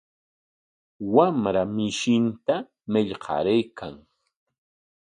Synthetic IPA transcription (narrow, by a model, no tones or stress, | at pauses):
wamɾamɪʃɪnt̪a | mɪʎqʰɑ̰ɾajkʰaŋ